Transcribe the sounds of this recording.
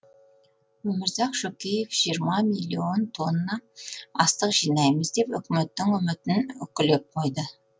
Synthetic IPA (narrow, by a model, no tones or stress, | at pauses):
wɵmɪɾzɑqʃokʲejefʒ̥ijəɾmɑmilʲːio̞nt̪ʰo̞nːɑɑst̪əqʒijnɑjməzd̪e̞pʏ̰kʲɪme̞t̪ːɪŋʏmɪt̪ɪnʏkʲɪle̞p̚qʰo̞jd̪ə